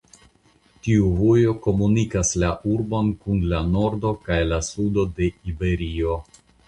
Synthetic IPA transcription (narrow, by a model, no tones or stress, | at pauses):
tiuvojo̞ko̞munikaslaʔuɾbo̞nkunlano̞ɾdo̞kajlasudo̞de̞ibe̞ɾio̞